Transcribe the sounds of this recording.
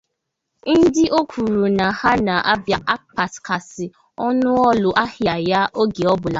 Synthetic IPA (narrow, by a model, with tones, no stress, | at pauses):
n̩˦dɪ˦ʔo˦kʷu˨ɾu˨na˨ha˦na˨ʔa˦bja˦ʔa˦k̚k͡pa˨ska˨sɪ˨ | ɔ˦nʊ˦ɔ˦lʊ˨ʔa˦hja˨ja˦ʔo˦ɡe˨ɔ˦bʊ˨la˨˦